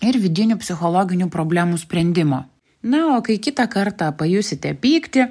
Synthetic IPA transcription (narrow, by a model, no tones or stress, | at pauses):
ɪɾʋʲɪd̪ʲɪnʲuːpʲsʲɪxɔlˠɔːɡʲɪnʲuːpɾoːbʲlʲæmuːsʲpʲɾʲɛnʲd̪ʲɪmoː | nɐoːkɐɪkʲɪt̪ɑkɐɾt̪ɑpɐjʊsʲɪt̪ʲɛpʲiːkt̪ʲɪ